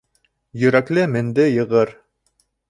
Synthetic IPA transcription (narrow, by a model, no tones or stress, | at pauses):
jɵ̆ɾæklɘmɘ̆nd̪ɘjɤ̆ʁɤɾ